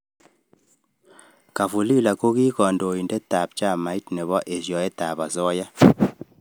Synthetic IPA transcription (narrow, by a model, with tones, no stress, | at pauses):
ka˨fu˨li˦la˨ko˦ɣi˦kɔ˨ndo˨i˨nde˦ta˨pt͡ʃa˦˨ma˨i˦tne˨βɔ˦ʔe˨sjɔ˨e˦ta˨βa˨sɔ˦ja˦